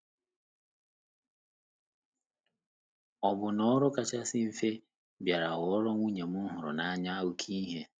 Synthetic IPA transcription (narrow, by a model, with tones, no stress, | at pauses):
ɔ˨bʊ˨nɔ˦ɾɔ˦ka˨t͡ʃa˦sɪ˦m̩˦fe˦ | bja˨ɾa˨ɣɔ˦ɾɔ˦ŋʷu˦ɲe˨mʊ˦ɦʊ˨ɾʊ̰˨na˨˦ɲa˦wʊ˨kʰi˦ɦe˦